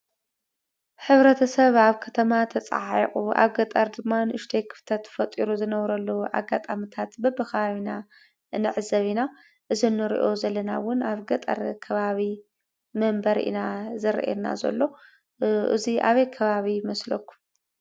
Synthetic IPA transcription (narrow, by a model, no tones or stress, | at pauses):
ħɨβɾɐt̪ʰɐsɐβaβkʰɐt̪ʰɐmat̪ʰɐt͡sʼa̰ʕiχʼuʔa̰βɡɐt̪ʼɐɾd̪ɨmːanɨʃt̪ʰejkʰɨ̥ft̪ʰɐt̪fɐt̪ʼiɾuzɨnɐβɾɐlːɐwuʔa̰ɡat̪ʼamɨt̪ʰat̪bɐbɨkʰɐβaβina | nɨʕɨzɐβina | ʔɨzinːɨɾḭʔo̞zɐlɐnawʊnaβɡɐt̪ʼɐ̰ɾkʰɐβaβi | mɐmbɐɾʔḭnazɨɾ̰ʔḛna̰zɐ̰lːo̞ | ʔɨ̰ziʔa̰βɐjkʰɐβaβimɐslokːu̥m